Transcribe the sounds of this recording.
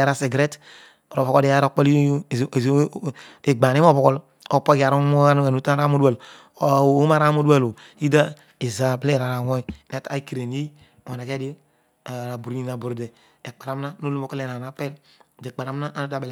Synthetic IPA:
a˦ɾa˦se˨ɡɾe˦t | o˨ɾo˨bo˨ko˦di˦a˦ɾo˦˨k͡pe˦le˨ɡ͡ba˨ni˦o˦˨bo˨ko˦l | o˦po˦ɡa˨ɾo˦mo˦a˦we˨nu˦ta˦ɾa˦mo˦du˦a˨l | o˦˨˦ma˦ɾa˦mo˦du˦a˦˨lo˨ | i˦da˦ | e˨za˨ble˦ɾa˨ɾa˨wo˦ne˨ta˦i˦ki˨ɾe˨ni˦˨ | a˨na˨ke˦di˦ | a˨ɾa˨bu˨ɾi˦na˨bu˨ɾde˨ | e˨k͡pa˨ɾa˨˦m˦na˦no˦lu˦mo˦ke˦le˨na˨na˨pe˦lde˨k͡pa˨ɾa˨˦m˦na˦ʔn˦da˦b

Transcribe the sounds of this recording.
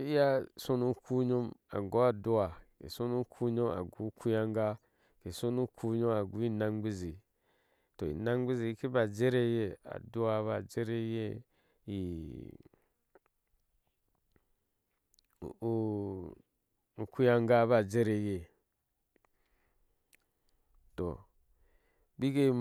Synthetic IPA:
i˦ja˦so˦nu˦ku˦ɲo˦ma̰˨ɡo˨˦a˨du˦wa˨kḛ˨so˦nu˦kʰu˦ɲo˦ma̰˨ɡu˨˦kʰu˦ja˦ŋɡa˦ | ke˨so˦nu˦kʰu˦ɲo˦a˨ɡu˨˦i˦na˦ŋɡ͡bi˦zi˨ | to˨ḭ˨na˦ŋɡ͡bi˦zi˨˦ki˦ba˨d͡ʒe˦ɾe˦je˦a̰˨du˦wa˦βa˨d͡ʒe˦ɾe˦je˦ | i˨˦ | u˨ku˦ja˦ŋɡa˦βa˦˨d͡ʒe˦ɾe˨je˦ | to̰˨ | bi˦ke˦m

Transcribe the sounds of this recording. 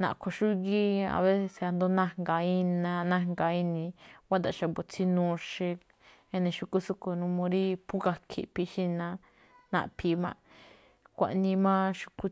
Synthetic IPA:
nã̰˨kʰo˧ʃu˦ɣi˦a̰˧βe˦se˧se˧a˧nd̪o˦nã˦˨ŋɡa˨i˦nã˧nã˦ŋɡa˨i˦nĩ˧wa˦d̪a˨˧˨ʃa˧bo˨t͡si˦nũ˦˧ʃe˧ | e˧nẽ˧ʃu˧ku˦su˦ku˧nũ˧mõ˧ɾi˦pu˦ka˧kʰḭ˧˨pi˧ʃi˦nã˧ | nã̰˧ʔpʰi˧mã̰˧ | kʷa̰˧˨ʔnĩ˧mã˦ʃu̥˧ku˦

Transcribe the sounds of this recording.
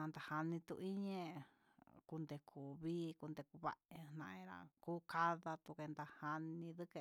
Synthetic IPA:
ã˧nd̪a˨ha˧nĩ˧t̪ṵ˧ʔi˦ɲẽ˧ | ku˧nd̪e˧˨kʰu˨βiː˦ku˧nd̪e˧ku˧βa̰˦ʔe˧nã˧ʔẽ˧ɾa̰˧kuː˦ka˦ða˧t̪u˧ke˧nd̪a˧ha˧nĩ˧ðɨ˦ke˧

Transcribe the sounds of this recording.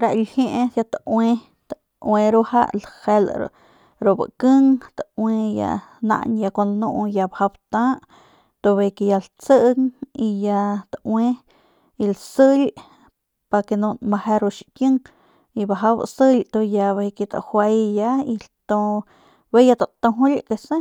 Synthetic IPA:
ɾa˧ʔlhje˦˧ʔe˧ja˧t̪awe˧ | t̪a | we˧ɾu˦˧ʔha̰˦ʔlhe˧lɾ̰ | ɾo˨bə̰˨kə˦ŋt̪a˨we˧ja̰˧nã̰˧ʔnja˧kʷa˧n˧nũ˦˧ʔja˧baha˧bt̪ã˦ʔ | t̪o˧be˧ke˧ja˧lt͡sə˦ʔŋi˧ja˧t̪aʔwe˦ | i˧lsə˦lʲ | pa˧ke˧nõ˧ma˧he˧ɾo˧ʔʃikjə˦ŋ | i˧ba˧ɦa˧bsə˦lʲt̪o˧ja˧be˧ke˧t̪a̰˨ʔhwe˧jja˧i˧lt̪õ˧ | be˦ja˧t̪a˨t̪õ˧ɦu˦lʲke˧sẽ˦

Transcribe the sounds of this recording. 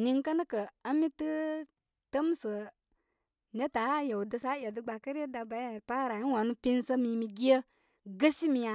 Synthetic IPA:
ni˧ŋkə˦nɨ˦kə˨ə˦mi˦tɨ˦ | tə˦m˦sə˨ | ne˦ta˨˦jə˨wdə˧sa˨˦jə˨dɨ˨ɡ͡ba˨kə˦ɾə˦da˧ba˨˦˨pa˦ɾa˨i˦wa˨nu˦pi˦n˦sə˦mi˨mi˧ɡi˦ə˦ | ɡə˦si˦mi˧ja˧

